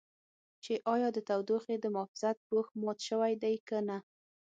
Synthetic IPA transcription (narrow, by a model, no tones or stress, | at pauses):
t͡ʃeʔɑjɑd̪ət̪awd̪oxed̪əmʊfɪz̥at̪̚boxmɑt̪ʃəwajd̪ajkəna